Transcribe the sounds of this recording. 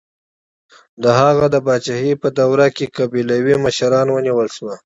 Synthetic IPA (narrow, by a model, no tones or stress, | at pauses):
d̪əɦaɣad̪əbɑt͡ʃahipəd̪awɾakekabilawiməʃaɾɑnwəniwəlʃwa